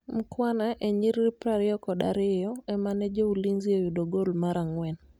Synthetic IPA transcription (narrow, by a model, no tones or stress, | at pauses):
m̩kwanaʔeɲiɾɾɪpɾaɾɪɔkɔda̰ɾɪjɔɛmanɛd͡ʒouliŋzɪojudoɡolmaɾaŋwɛn